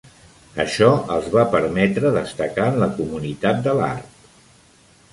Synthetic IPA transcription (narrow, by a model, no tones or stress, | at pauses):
ə̰ʃɔəlˠzβapəɾmɛt̪ɾəðəst̪əkaənləkumunit̪at̪̚d̪əla̰ɾt